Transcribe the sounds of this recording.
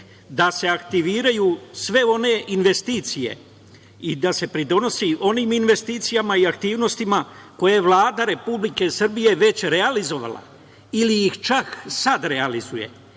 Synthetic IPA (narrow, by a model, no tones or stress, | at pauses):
d̪ase̞akt̪iʋiːɾajusʋe̞o̞ne̞ʔinʋe̞st̪iːt̪sije̞̰ | id̪ase̞pɾid̪o̞no̞siʔo̞niːminʋe̞st̪iːt̪sijamaiakt̪iːʋno̞st̪imako̞jaeʋlˠaːd̪aɾe̞publike̞sr̩bije̞ʋe̞t͡ɕɾe̞alizo̞ʋa̰la̰ | iliixt͡ʃaksad̪ɾealizuje̞̰